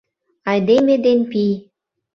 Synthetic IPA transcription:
ɑjd̪emed̪enpij

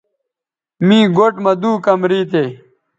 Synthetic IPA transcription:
mĩːɡoʈmɐd̪uːkɐmɾiːt̪̬eː

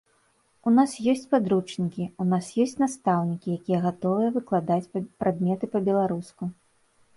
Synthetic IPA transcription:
unasjɔsʲt͡sʲpad̪ɾut͡ʂnʲikʲiunasjɔsʲt͡sʲnast̪awnʲikʲijakʲijɐɣat̪ɔvɨjɐvɨklˠad̪at͡sʲpɾad̪̚mʲɛt̪ɨpɐbʲɛlˠaɾusku

